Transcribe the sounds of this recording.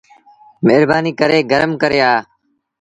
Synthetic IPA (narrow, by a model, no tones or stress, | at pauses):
meːɾbaːniːkəɾeːɡəɾəmkəɾeːaː